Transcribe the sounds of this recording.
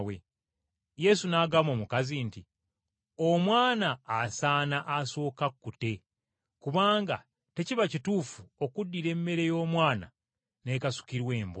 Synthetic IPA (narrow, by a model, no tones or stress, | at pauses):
we | je̞sunaːɡamo̞ːmukazinti | omwaːnaːsaːnaʔaso̞ːkakːute̞ | kuβaːŋɡa̰ | te̞ciβacituːfuo̞kudːiɾe̞mːe̞ɾe̞jo̞ːmwaːna̰ | ne̞kasu̥kiɾwe̞ːmbo